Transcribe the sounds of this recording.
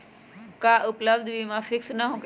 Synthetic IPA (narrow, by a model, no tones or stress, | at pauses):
kaʔʊpləb̚d̪ʱʋimãfɪksnɐɦũk